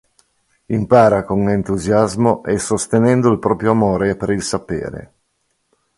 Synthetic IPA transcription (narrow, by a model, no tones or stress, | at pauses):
impaːɾakoŋent̪uzjazmoʔesost̪enɛnd̪oilpɾɔːpɾjoamoːɾepeɾilsapḛːɾḛ